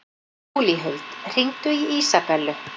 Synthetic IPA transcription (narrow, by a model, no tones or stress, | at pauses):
uliɦœɥlt̪r̥iŋt̪ʏiiːsapɛlːʏ